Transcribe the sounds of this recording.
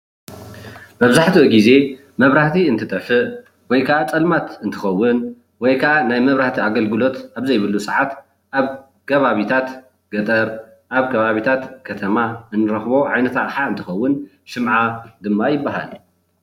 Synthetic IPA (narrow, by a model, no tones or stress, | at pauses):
mɐβzaħt̪ʰioɡize̞ | mɐβɾaht̪ʰiɨnt̪ʰɨt̪ʼɐħɨʔ | wɔjkʰaʔat͡sʼɐlmat̪ɨnt̪ʰɨ̥xɐwːʊn | wɔjkʰaʔanajmɐβɾaht̪ʰiaɡɐlɡɨlo̞t̪ʔaβzɐjβɨlusɨʕat̪ | ʔaβ | kʰɐβaβit̪ʰat̪ | ɡ̥ɐt̪ʼɐɾ | ʔaβkʰɐβaβit̪ʰat̪kʰɐt̪ʰɐmaɨnːɨɾɐxbo̞ʕajnɐt̪akʼħaɨnt̪ʰɨxɐwːʊn | ʃɨmʕad̪ɨmːajɪbːaɦa̰l